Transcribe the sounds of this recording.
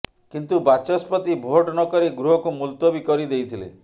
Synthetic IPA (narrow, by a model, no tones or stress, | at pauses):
kint̪ubat͡ʃɔspɔt̪ibʱoʈnɔkɔɾiɡɾuɦɔkumult̪wobikɔɾid̪ejt̪ʰilḛ